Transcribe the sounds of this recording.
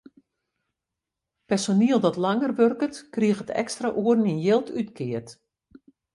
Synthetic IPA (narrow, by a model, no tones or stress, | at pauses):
pɛrsoniəlˠdɔtlaŋərʋørkətkriəxətʰɛ̰kstraʔuərninjɪlˠtʰytkʰɪərt